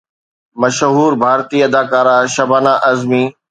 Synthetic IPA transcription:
mɐʃɦuːɾbʱaːɾt̪iːɐd̪aːkaːɾaʃɐbʱaːnaʔɐzmiː

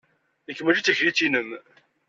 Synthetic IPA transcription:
əkːəmæd͡ʒit͡s̪ːəçɾit͡sːinəm

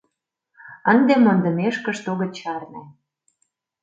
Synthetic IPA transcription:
ə̆nd̪emond̪ə̆meʃkə̆ʃt̪oɣə̆t͡ɕɑrnæ

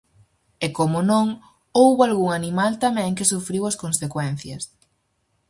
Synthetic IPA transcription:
ekomʊnõŋ | owβoalɣuŋanimalt̪amɛ̃ŋkɪsufɾiwɐskonsekwɛn̟θjɐs

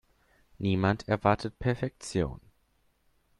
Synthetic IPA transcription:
niːmantʰɛɐvaɐtʰət̚pʰɛɐfɛk̚t͡sjo̰ːn

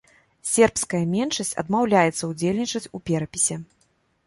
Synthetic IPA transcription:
sʲɛrpskɐjɐmʲɛnʂɐsʲt͡sʲɐ̰d̪mawlʲajɛt̪sɐud͡zʲelʲnʲit͡ʂɐt͡sʲupʲɛɾɐpʲisʲɛ

